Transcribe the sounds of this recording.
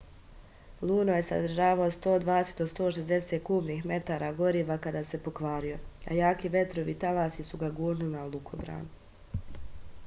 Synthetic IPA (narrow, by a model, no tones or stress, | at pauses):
lˠuːnoje̞sa̰d̪ɾ̩ʒaːʋaost̪o̞ːd̪ʋaːd̪eset̪d̪ost̪o̞ːʃezd̪e̞set̪̚kuːmnixme̞t̪aːɾaɡo̞ɾiːʋakad̪aːse̞po̞kʋaːɾijo̞a̰jaːkiʋe̞t̪ɾoʋiːt̪alaːsisuɡaɡuːɾnilnalˠukʰo̰bɾa̰ːnu